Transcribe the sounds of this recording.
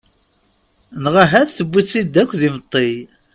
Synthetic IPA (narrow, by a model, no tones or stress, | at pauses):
nʁaɦæθθəbːiθsid̪ːækʷːðimət̪ˤːej